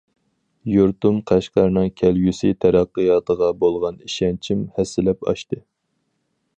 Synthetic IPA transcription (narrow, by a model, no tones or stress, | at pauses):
juɾt̪umqʰæʃqɑɾnɨŋkʲʰɛlɡʲysɨt̪ʰæɾæqːəjɑːt̪ʰəʁɑbolˠʁɑniʃɛnt͡ʃʰimhɛsːɪlɛpɑ̰ʃt̪ɨ